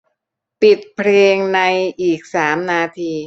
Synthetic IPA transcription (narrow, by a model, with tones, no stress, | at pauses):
pi˨˩t̪̚pʰɾeː˧ŋna˧jʔiː˨˩k̚saː˩˦mnaː˧t̪ʰiː˧